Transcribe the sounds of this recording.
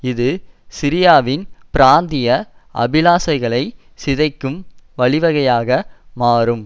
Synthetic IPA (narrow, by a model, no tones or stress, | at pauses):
ɪðɯsɪɾɪjaːʋɪnpɪɾaːnd̪ɪjɐʔɐ̰bɪlaːsɐɪɣɐɭɐɪ | sɪðɐɪkːɯmʋɐɭɪʋɐɣɐjaːɣɐmaːɾɯm